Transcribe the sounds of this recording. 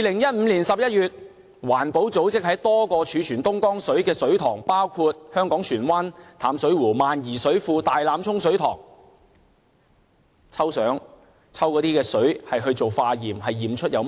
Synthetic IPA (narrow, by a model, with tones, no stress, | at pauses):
jiː˨lɪ˨˩ŋjɐ˥t̚m̩ː˨˧liː˨˩nsɐ˨p̚jɐ˥t̚jyː˨t̚ | waː˨˩npo˨˥wt͡so˨˥wt͡sɪ˥k̚hɐ˨˥jt̪ɔː˥kɔː˧t͡ʃʰyː˨˧t͡ʃʰyː˨˩nt̪ʊ˥ŋkɔː˥ŋsɵ˨˥ɥkɛː˧sɵ˨˥ɥt̪ʰɔː˨˩ŋpaː˥wkʰuː˧t̚hœː˥ŋkɔː˨˥ŋt͡ʃʰyː˨˩nwaː˥nt̪ʰaː˨˥msɵ˨˥ɥwuː˨˩maː˨njiː˨˩sɵ˨˥ɥfuː˧t̪aː˨jlaː˨˧mt͡sʰʊ˥ŋsɵ˨˥ɥt̪ʰɔ̰ː˨˩ŋ | t͡sʰɐ˥wsœː˨˥ŋ | t͡sʰɐ˥wkɔː˨˥t̪iː˥kɛː˧sɵ˨˥ɥhɐ˨jɦɵ˧ɥt͡so˨wfaː˧jiː˨˩mɦɐ˨jːiː˨˩mt͡ʃʰɵ˥t̚jɐ˨˧w